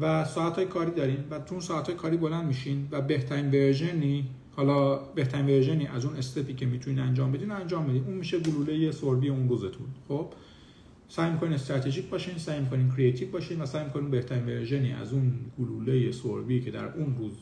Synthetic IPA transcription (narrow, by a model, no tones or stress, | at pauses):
væsɒːæt̪hɒːjekʰɒːɾiːd̪ɒːɾinvæt̪ʰuuːnsɒːæt̪ʰhɒːjekʰɒːɾiːbo̞lænd̪miːʃinvæbe̞ht̪ʰæɾiːnveɾʒeniː | hɒːlɒːbe̞ht̪ʰæɾiːnveɾʒe̞niːʔæzune̞st̪epiːcʰe̞miːt̪ʰuniːnænd͡ʒɒːmbe̞d̪iːnænd͡ʒɒːmbed̪iːnuːnmiːʃe̞ɡuluːle̞je̞soɾbijeunɾuːze̞t̪ʰṵnxo̞b̥ | sæjmikʰo̞niːnest̪ɾæt̪ʰe̞ʒiːcbɒːʃiːnsæːjmikʰo̞nincʰɾiet̪ʰiːvbɒːʃiːnvæsæːjmikʰo̞ninbe̞ht̪ʰæɾiːnveɾʒe̞nḭːʔæ̰zuːnɡuluːlejeso̰ɾbiːcʰe̞d̪æ̰ɾuːnɾuːz